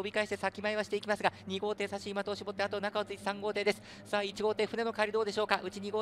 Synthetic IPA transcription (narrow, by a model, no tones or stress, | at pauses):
obʲikaeɕi̥t̪e̞sakʲimaeβaɕi̥t̪e̞ikʲimasɨɡaɲ̟iɡo̞ːt̪e̞ːsaɕiːmat̪oːɕibo̞t̪ːeat̪o̞ːnakao̞t͡sɨit̪esãŋɡo̞ːt̪e̞ːd̪e̞sɨ̥ | saːit͡ɕiɡo̞ːt̪e̞ːɸɯ̟ne̞no̞kaːɾʲid̪o̞ːd̪e̞ɕo̞ːkaʔɯ̟t͡ɕiɲ̟iɡo̞ː